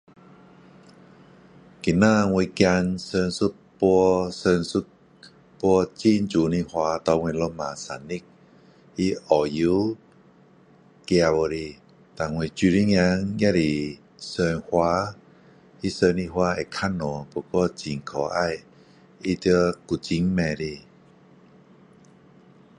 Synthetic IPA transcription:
ki˨na˧˨ŋwi˧kja˧nsə˧nsu˦˥t̚ | pu˧sə˧nsu˦˧˥t̚ | pu˧t͡ɕi˧˨nt͡ʃu˨ni˧hwa˧˦t̪ɔ˧ŋwe˧lo˧ma˨sa˨ni˦k̚ | i˧˦ʔɔ˨˩ju˧˦ | kja˧wɔ˧ɾi˧ | t̪a˨ŋwe˧˨t͡ɕi˧ɾi˦ŋa˧˦ŋja˦˧˥ɾi˨ | səː˧nhwaː˧˦ | ʔi˦səː˧ni˧hwaː˧˦e˨kʰa˧˥˨nːɔ˨po˧kɔ˧t͡ɕi˨ŋkʰɔ˨˦ʔa˧j | i˧˦t̪ɨ˧əku˨t͡ɕi˧˦ŋmɛ˧ɾi˧

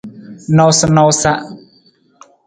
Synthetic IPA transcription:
nɔ˦wsɪ˦nɔ˦wsa˦ʔ

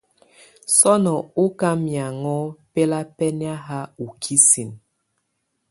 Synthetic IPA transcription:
sɔ˦nɔ˨u˦ka˦mja˨ŋɔ˦pe˦la˦pɛ˦nja˦ɦa˦u˨kʰi˦si˨n

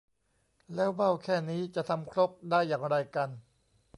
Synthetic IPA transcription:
lɛː˦˥wba˥˩wkʰɛː˥˩niː˦˥t͡ɕa˨˩ʔt̪ʰa˧mkʰɾo˦˥p̚daː˥˩jːaː˨˩ŋɾa˧jka˧n

